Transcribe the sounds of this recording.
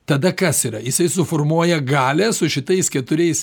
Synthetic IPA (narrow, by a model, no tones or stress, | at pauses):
t̪ɐd̪ɐkɐsiːɾɐjɪsɐɪsʊfoːrmuɔjɛɡɑːlʲɛːsʊʃʲɪt̪ɐɪskʲɛt̪ʊɾʲɛɪs